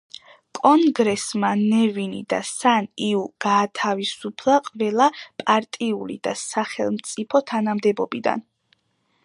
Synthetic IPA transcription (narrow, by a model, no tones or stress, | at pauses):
kʼɔŋɡɾɛsmanɛvinḭd̪a̰saniuɡ̥aːt̪ʰavisupʰlˠaqʼvɛlˠapʼaɾt̪ʼiulḭd̪̥asaχɛ̰lˠmt̪sʼipʰɔt̪ʰanamd̪ɛbɔbid̪a̰n